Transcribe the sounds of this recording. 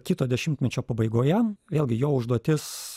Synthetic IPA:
kʲɪt̪oːd̪ʲɛʃʲɪmʲt̪ʲmʲɛt͡ʃʲoːpɐbɐɪɡoːjɛʋʲeːlʲɡʲɪjoːʊʒd̪uɔt̪ʲɪs

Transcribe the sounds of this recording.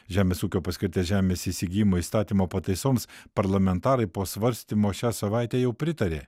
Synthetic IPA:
ʒʲæːmʲeːsuːkʲoːpɐsʲkʲɪɾʲt̪ʲeːsʒʲæːmʲeːsiːsʲɪɡʲiːjɪmoːiːst̪ɑːt̪ʲimoːpɐt̪ɐɪsoːmspɐɾlˠɐmʲɛnt̪ɑːɾɐɪpoːsʋɐɾʲsʲt̪ʲimoːʃʲæːsɐʋɐɪt̪ʲɛːjɛʊpʲɾʲɪt̪ɐɾʲeː

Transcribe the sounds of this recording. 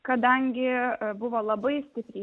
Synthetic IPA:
kɐd̪ɐŋʲɡʲɪbʊʋoːlˠɐbɐɪsʲt̪ʲɪpʲɾʲi

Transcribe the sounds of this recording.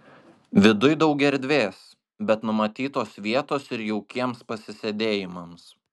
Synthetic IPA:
ʋʲɪd̪ʊjd̪ɐʊɡʲɛɾʲd̪ʲʋʲeːs | bʲɛt̪nʊmɐt̪ʲiːt̪oːsʋʲiɛt̪oːsɪɾjɛʊkʲiɛmspɐsʲɪsʲed̪ʲeːjɪmɐms

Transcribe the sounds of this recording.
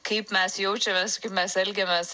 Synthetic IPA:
kɐɪpmʲɛsjɛʊt͡ʃʲɛmʲɛːskɐɪpmʲɛsɛlʲɡʲemʲɛs

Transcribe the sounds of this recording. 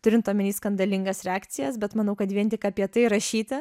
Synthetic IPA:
t̪ʊɾʲɪnt̪t̪oːmʲɛnʲiːskɐnd̪ɐlʲɪŋɡɐsɾʲɛɑːk̪sʲɪjɛsbʲɛt̪mɐnɐʊkɐt̪ʋʲiɛnt̪ʲɪkɐpʲiɛt̪ɐɪɾɐʃʲiːt̪ɐ

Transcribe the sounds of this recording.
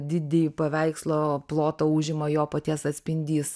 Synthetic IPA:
d̪ʲɪd̪ʲepɐʋʲɛɪkslˠoːplˠoːt̪ouːʒʲɪmɐjoːpɐt̪ʲiɛsɐt̪ʲsʲpʲɪnʲd̪ʲiːs

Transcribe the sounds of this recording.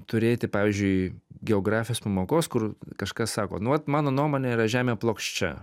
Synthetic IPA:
t̪ʊɾʲeːt̪ʲɪpɑːʋʲiːzʲd͡ʒʲʊɪɡʲɛoːɡɾɑːfʲɪjoːspɐmoːkoːskʊrkɐʃkɐssɑːko̰ːnʊʋɐt̪mɑːnoːnuɔmoːnʲeiːɾɐʒʲæːmʲeːplˠoːkʃʲt͡ʃʲɛ̰

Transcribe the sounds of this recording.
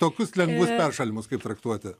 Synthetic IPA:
t̪oːkʲʊslʲɛŋɡʋʊspʲɛɾʃɐlʲɪmʊskɐɪp̚t̪ɾɐkt̪uɔt̪ʲɪ

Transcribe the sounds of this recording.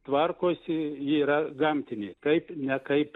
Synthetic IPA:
t̪ʋɐrkoːsʲjiiːɾɐɡɐmʲt̪ʲɪnʲeːkɐɪpnʲɛkɐɪp

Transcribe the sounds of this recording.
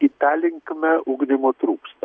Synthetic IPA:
ɪt̪æːlʲɪŋkmʲɛʔʊɡd̪ʲɪmoːt̪ɾuːkst̪ɐ

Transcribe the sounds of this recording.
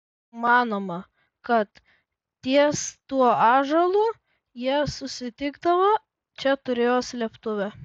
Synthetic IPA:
mɑːnoːmɐ | kɐt̪ | t̪ʲiɛst̪uɔɑːʒɐlˠuː | jiɛsʊsʲɪt̪ʲɪɡd̪ɐʋɐ | t͡ʃʲɛt̪ʊɾʲeːjoːslʲɛpt̪ʊʋʲɛ

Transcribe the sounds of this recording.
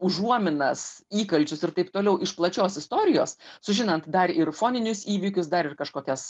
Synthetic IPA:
ʊʒuɔmʲɪnɐsiːkɐlʲt͡ʃʲʊsɪrt̪ɐɪp̚t̪oːlʲɛʊʔɪʃplˠɐt͡ʃʲoːsɪst̪oːɾʲɪjo̰ːssʊʒʲɪnɐnt̪d̪ɐɾɪrfoːnʲɪnʲʊsiːʋʲɪkʲʊsd̪ɐɾɪrkɐʃkoːkʲɛs

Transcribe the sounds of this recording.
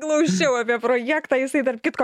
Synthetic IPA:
klˠɐʊt͡ʃʲɛʊɐpʲiɛpɾoːjæːkt̪ɑːjɪsɐɪt̪ɐrpkʲɪt̪ko

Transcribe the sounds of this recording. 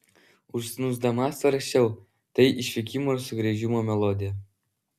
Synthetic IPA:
ʊʃsʲɪnuzd̪ɐmɑsɐɾɐkʲɛʊ | t̪ɐɪʔiʃʲʋʲikʲimosʊɡɾʲiʒʲimoːmʲɛlˠod̪ʲɪjɛ

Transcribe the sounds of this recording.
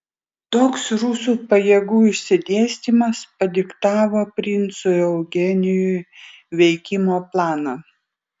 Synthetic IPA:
t̪oːksɾuːsuːpɐjɛːɡuːɪʃʲsʲɪd̪ʲeːsʲt̪ʲiˑmɐspɐd̪ʲɪkt̪ɑːʋoːpʲɾʲɪnˑt̪sʊɛʊɡʲɛnʲɪjʊʋʲɛɪkʲɪmoːplˠɑːnɑ

